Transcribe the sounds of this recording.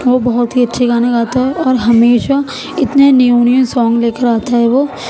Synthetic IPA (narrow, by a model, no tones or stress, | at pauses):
ʋobɐɦʊt̪ɦiɐtːʃʰeɡaːnekaːt̪aɦɛʔɔːɾɦɐmeːʃa | ɪt̪nenijuːnijə̃nsɔ̃ːŋɡleːkəɾaːt̪aɦɛʋoː